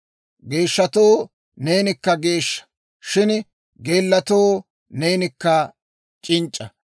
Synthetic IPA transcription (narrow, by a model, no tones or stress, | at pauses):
ɡe̞ːʃːɐt̪oː | ne̞ːnɪkːɐɡe̞ːʃːɐ̥ | ʃɪn | ɡe̞ːlːɐt̪oː | neːnɪkːɐ | t͡ʃʼɪnt͡ʃʼːɐ